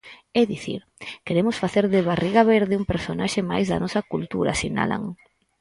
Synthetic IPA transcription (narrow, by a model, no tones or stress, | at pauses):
ɛðiθḭɾ | keɾemʊsfaθeɾðɪβariɣaβeɾðɪumpeɾsonaʃɪmajzðɐ̰nɔsɐkult̪uɾa̰sina̰la̰ŋ